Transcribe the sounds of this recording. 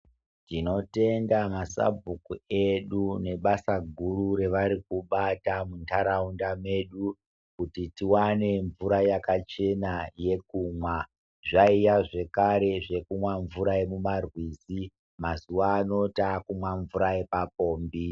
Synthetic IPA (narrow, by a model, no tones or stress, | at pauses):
tino̞te̞ndamasa̰bʱukue̞ɗune̞ɓasaɡʱuɾuɾe̞ʋaɾik̚uɓatamuntʰaɾaundame̞ɗu | kutitiwane̞ɱvuɾajakat͡ʃe̞naje̞k̚uːmwa | ʐaijaʐe̞kaɾe̞ʐe̞kumwaɱvuɾajemumarwiːsi | mazuʋaːno̞takumwaɱvuɾae̞pap̚o̞ːmbi